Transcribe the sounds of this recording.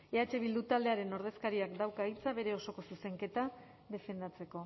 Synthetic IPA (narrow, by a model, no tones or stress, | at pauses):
e̞at͡ʃe̞β̞ild̪ut̪ald̪e̞aɾe̞no̞ɾð̞e̞skaɾiakd̪awkait͡saβe̞ɾe̞o̞so̞ko̞suse̞ŋke̞t̪a | ðe̞fe̞nd̪at͡se̞ko̞